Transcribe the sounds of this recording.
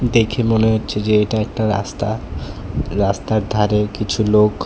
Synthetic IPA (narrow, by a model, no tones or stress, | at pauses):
d̪ekʰemoneɦotːɕʰed͡ʑeeʈaɛk̚ʈaɾa̰st̪a | ɾast̪aɾd̪ʱaɾekit͡ɕʰulok